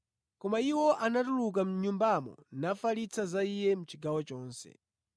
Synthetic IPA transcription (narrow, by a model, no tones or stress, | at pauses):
kɔmaiwɔʔanatuluk̬am̩ɲumbamɔ̰nafalit͡sʰazaijɛm̩ut͡ʃiɡawɔt͡ʃɔːnsɛ̰